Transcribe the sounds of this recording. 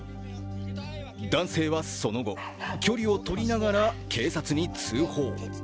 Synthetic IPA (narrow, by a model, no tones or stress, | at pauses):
d̪ãɰ̃se̞ːβaso̞no̞ɡo̞̰ | kʲo̞ɾʲio̞t̪o̞ɾʲinaɡaɾakʰe̞ːsat͡sɨɲ̟it͡sɨːho̞ː